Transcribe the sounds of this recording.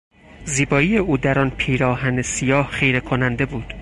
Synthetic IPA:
ziːbɒːijeuːd̪æɾɒːnpʰiːɾɒːɦæne̞sijɒːhχejɾe̞kʰonænd̪e̞buːd̪̥

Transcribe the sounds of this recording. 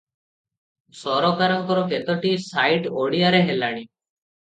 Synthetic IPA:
sɔɾɔkaɾɔŋkɔɾɔket̪ɔʈisajʈoɽiaɾeɦelaɽ̃i

